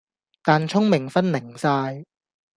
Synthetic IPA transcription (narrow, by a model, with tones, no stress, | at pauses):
t̪aː˨˩nt͡ʃʰʊ˥ŋmɪ˨˩ŋfɐ˥nnɪ˨˩ŋsaː˧j